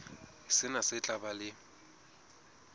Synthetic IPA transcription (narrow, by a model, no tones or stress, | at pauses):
ɦɪsɪnasɪt͡ɬʼabalɪ